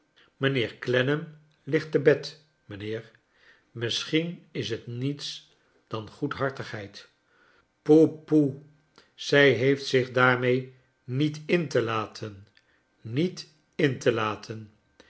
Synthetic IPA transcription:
mənɪːɹklɛnəm | lɪχtəbɛt | mənɪːɹ | mɪsχinɪsɦətnits | d̥ɑnχutɦɑɹtəχɦɛjt | popu | z̥ɛjɦejftsɪχdaːɹmej | nitɪntəlaːtʰənː | it | ɪntəlaːtʰən

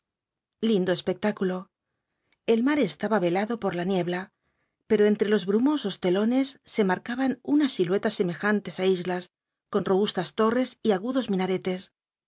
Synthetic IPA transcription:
lind̪o̞e̞spe̞k̚t̪akulo̞ | e̞lmaɾe̞st̪aβaβe̞laðo̞po̞ɾlanje̞βla | pe̞ɾo̞e̞nt̪ɾe̞lo̞zβɾumo̞so̞st̪e̞lo̞ne̞sːe̞maɾkaβanunasːilwe̞t̪asːe̞me̞xant̪e̞saizlas | ko̞nro̞β̞ust̪ast̪o̞re̞siaɣuðo̞zmĩnaɾe̞t̪e̞s

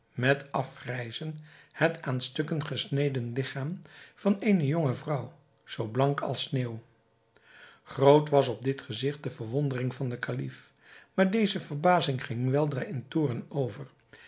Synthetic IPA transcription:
mɛtɑfrɛjzənhətʰaːnstɵkənχəsnejdənlɪχaːmv̥ɑnejnəjoŋəvrʌw | z̥owblɑŋkɑ̰lˠsneːw | χrowtʋɑs̬ɔb̚dɪtχəzɪχt̚dəvəɹʋɔndərɪŋvɑndəkalif | maːɹdejzəvəɹbaːzɪŋχɪŋʋɛlˠdraːɪntʊːrənowvəɹ

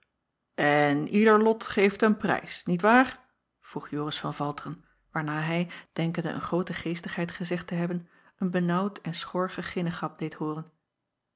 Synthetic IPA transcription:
ɛnidəɹlɔtχejftənprɛ̰jsnitʋaːɹ | v̥ruχjoːrəsfɑnvɑlˠtərən | ʋaːɹnaːɦɛjd̥ɛŋkəndə̰ʔə̰nχrowtəχejstəχɦɛjtχəzɛχtəɦɛbən | ənbənʌwtɛnsχɔɹχəχɪnəχɑp̚dejtɦʊːrən

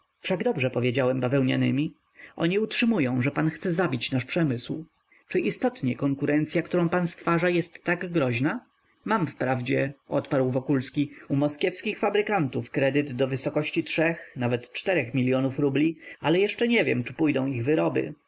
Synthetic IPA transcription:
fʂaɡd̪ɔbʐɛpɔvʲjed͡ʑawɛmbavɛwɲa̰nɘ̰mʲi | ʔɔ̰ɲiutʂɘmujɔ̃w̃ʐɛpanxt̪sɛzabʲit͡ɕnaʂpʂɛmɘsw | t͡ʂɘʔist̪ɔt̪ɲɛkɔŋkuɾɛnt̪sʲjakt̪uɾɔ̃w̃panst̪faʐajɛst̪ːaɡɡɾɔʑna | mamfpɾavd͡ʑɛɔt̪paɾwvɔkulskʲiumɔskʲjɛfskʲixfabɾɘkant̪ufkɾɛd̪ɘd̪ːɔvɘsɔkɔɕt͡ɕitʂɛxnavɛt̪t͡ʂt̪ɛɾɛxmʲilʲjɔnufɾublʲialɛjɛʂt͡ʂɛɲɛvʲjɛ̰mt͡ʂɘ̥pujd̪ɔ̃w̃iɣvɘɾɔbɘ̰

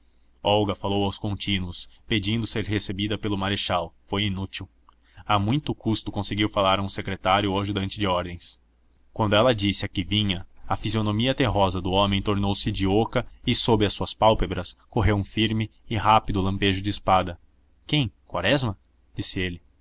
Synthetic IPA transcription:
ɔwɡɐfalowawskõnt͡ʃĩnuʊsped͡ʒĩnd̪ʊseɾɦesebid̪ɐpelʊmaɾeʃawfojinut͡ʃiw | amũj̃t̪ʊkust̪ʊkõsɪɡiwfalaɾɐũsekɾet̪aɾjʊoʒʊd̪ɐ̃nt͡ʃɪd͡ʒɪɔɾd̪ẽj̃s | kwɐ̃nd̪ʊɛlɐd͡ʒisɪɐkɪvĩɲɐɐfizionomiɐt̪eɦɔzɐd̪ʊõmẽj̃t̪oɾnowsɪd͡ʒiokɐɪsobɪɐsːuɐspawpebɾɐskoɦewũfiɾmɪɪɦapid̪ʊlɐ̃mpeʒʊd͡ʒɪːspad̪ɐ | kẽj̃kwa̰ɾɛzmɐ | d͡ʒisɪelɪ

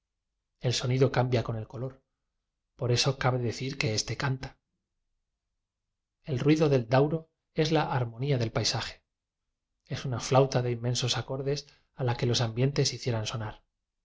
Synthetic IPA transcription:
e̞lso̞niðo̞kambjako̞ne̞lko̞lo̞ɾ | po̞ɾe̞so̞kaβe̞ðe̞θiɾke̞e̞st̪e̞kant̪ḁ | e̞lrwiðoðe̞ld̪awɾo̞ | e̞zlaʔaɾmo̞niaðe̞lpajsaxe̥ | e̞sunaflawt̪aðe̞imːe̞nso̞sako̞ɾðe̞s | alake̞lo̞sambje̞nt̪e̞siθje̞ɾanso̞naɾ

